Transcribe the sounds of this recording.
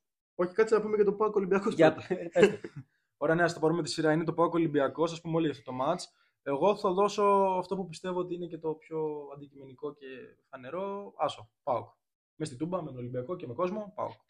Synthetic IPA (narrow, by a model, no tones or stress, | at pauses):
o̞çi̥kɐt͡sinɐpumecɐt̪o̞pɐukolibiɐkoɐt̪ | oɾeɐneɐst̪opɐɾumet̪i̥siɾɐinet̪opauko̞libiɐkosɐspumeo̞liʝɐft̪ot̪o̞mɐt͡s | e̞ɣo̞θɐðo̞so̞ɐft̪o̞pupist̪e̞voot̪iine̞ce̞t̪o̞pço̞ɐnd̪icime̞niko̞ce̞fɐne̞ɾo̞ɐsopɐuk | me̞st̪it̪ubɐmet̪olimbiɐko̞cemeko̞zmo̞pa̰ṵk